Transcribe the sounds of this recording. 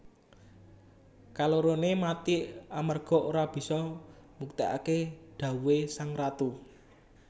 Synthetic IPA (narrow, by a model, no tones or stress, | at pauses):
kaloɾonemat̪iʔamərɡ̥ɔ̤ʔoɾab̥i̤sɔmuk̚t̪ea̰keɖ̥ä̤uwesaŋrat̪u